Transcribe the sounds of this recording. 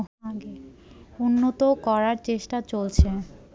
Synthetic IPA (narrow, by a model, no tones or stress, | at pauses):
aɡeunːot̪okɔɾaɾt͡ɕeʃʈat͡ɕolt͡ɕʰe